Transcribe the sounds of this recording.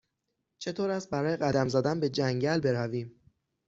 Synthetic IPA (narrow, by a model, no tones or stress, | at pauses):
t͡ʃʰe̞t̪ʰoːɾæst̪̚bæɾɒːjeɣæd̪æmzæd̪ænbe̞d͡ʒæŋɟælbe̞ɾæviːm